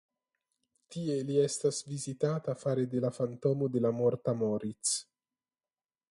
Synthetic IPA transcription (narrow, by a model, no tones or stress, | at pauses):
t̪ie̞liestasvizit̪at̪afaɾed̪e̞lafant̪omod̪e̞lamoɾt̪amoɾit͡s